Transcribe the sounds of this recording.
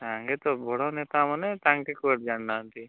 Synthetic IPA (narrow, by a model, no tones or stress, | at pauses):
t̪aŋɡet̪ɔbʱɔɽɔnet̪amanet̪aŋkekuəʈ̚d͡ʒanːaːnt̪i